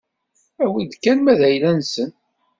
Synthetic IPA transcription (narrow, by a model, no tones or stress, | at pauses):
æwənd̪kːænmæðæjlænsən